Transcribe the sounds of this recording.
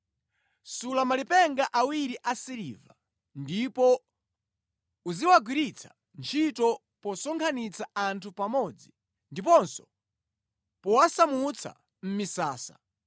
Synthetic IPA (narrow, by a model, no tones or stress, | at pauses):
sulamalipɛŋɡaʔawiɾiʔasiɾḭva̰ | ndipɔ | uziwaɡwiɾit͡sʰḁ | nt͡ʃʰitɔ | pɔsɔŋkʰanit͡sʰaantʰupamɔd͡zi | ndipɔnsɔ | pɔwasamut͡sʰa̰ | m̩misaːsa̰